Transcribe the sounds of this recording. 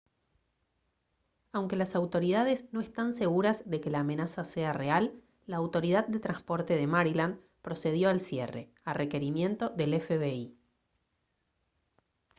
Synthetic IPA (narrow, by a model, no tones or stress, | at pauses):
awŋke̞lasawt̪o̞ɾiðað̞e̞sno̞e̞st̪ans̬e̞ɣuɾazðe̞ke̞laːmẽ̞nasase̞are̞alː | aːwt̪o̞ɾiðað̚d̪et̪ɾanspo̞ɾt̪e̞ðe̞maɾiland̪ | pɾo̞se̞ð̞jo̞alsjḛre̞̰ | are̞ke̞ɾimje̞nt̪o̞ðe̞lefeβei